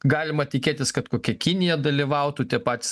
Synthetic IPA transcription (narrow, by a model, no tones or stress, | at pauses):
ɡɑːlʲɪmɐt̪ʲɪkʲeːt̪ʲɪskɐt̪koːkʲɛkʲɪnʲɪjɛd̪ɐlʲɪʋɐʊt̪ut̪ʲiɛpɑːt̪ʲɪs